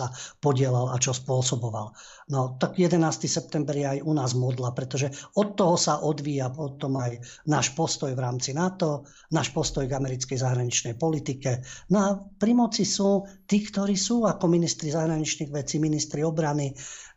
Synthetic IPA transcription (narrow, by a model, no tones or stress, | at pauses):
apɔɟɪɛlala̰t͡ʃɔspʊɔsɔbɔʋa̰l | nɔt̪aɡjɛd̪ɛnaːst̪isɛp̚t̪ɛmbɛɾjɛajunaːzmɔd̪lapɾɛt̪ɔʒɛɔt̪ːɔɦɔsaʔɔd̪ʋiːjapɔt̪ɔmajnaːʃpɔst̪ɔjʋɾaːmt͡sinat̪ɔ | naːʃpɔst̪ɔjɡamɛɾit͡skɛjzaɦɾaɲit͡ʃnɛjpɔlit̪ikɛnɔapɾimɔt͡sisuːt̪iːkt̪ɔɾiːsuːakɔminist̪ɾizaɦɾaɲit͡ʃniɣʋɛt͡siminist̪ɾiɔbɾani